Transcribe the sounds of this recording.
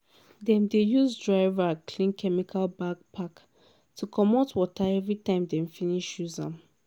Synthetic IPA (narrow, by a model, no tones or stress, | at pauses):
dɛ̃mdejuzdɹaɪvakʰlĩnkʰɛmikʰalbaɡ̚pʰak | tʰukʰɔmotwɔtʰaɛvɹitãɪ̃mdɛ̃mfiniʃjuzã̰m